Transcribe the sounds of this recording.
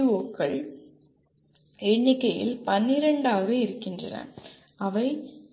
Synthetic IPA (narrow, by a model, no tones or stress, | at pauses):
oːkːɐɭ | ɛɳːɪkːɐjɪ̰lpɐnːɪɾɐɳɖaːɣɐɪɾɯkːɪndrɐ̰nɐ̰ | ɐʋɐɪ